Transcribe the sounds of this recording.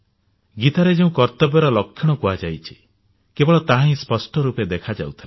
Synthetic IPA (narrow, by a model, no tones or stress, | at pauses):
ɡit̪aɾed͡ʒeũkɔɾt̪ɔbɔɾɔlɔkʰːjɔɽ̃ɔkuad͡ʒajt͡ʃʰi̥ | kebɔɭɔt̪aɦãĩspɔsʈɔɾuped̪ekʰad͡ʒa̰ut̪ʰile